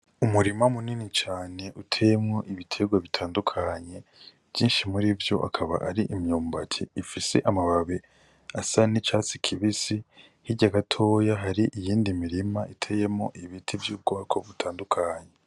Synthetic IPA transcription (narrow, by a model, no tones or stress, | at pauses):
umuɾimamuninit͡ʃaːne̞ʔutʰejemŋo̞ʔiβitʰe̞ɡwaβitʰaːndukʰaɲe̞ | v̥jiːnʃimuɾivjo̞̰ʔa̰kʰaβa̰ʔaɾiʔimjuːmbacʰeifise̞̰ʔamaβaβe | asanit͡ʃaːt͡sikʰiβisi | hiɟaɡatʰo̞ːjaɦaɾiʔijiːndimiɾimaʔitʰeje̞mŋoʔiβitʰivjuːb̚ɡoβakʰo̞βutʰaːndukʰaɲe